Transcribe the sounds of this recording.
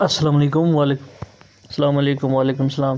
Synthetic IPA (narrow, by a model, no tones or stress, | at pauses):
ɐsːɐlaːmɐleːkʊmwaːleːk | sɐlaːmɐleːkʊmʋaːleːkʊmsɐlaːm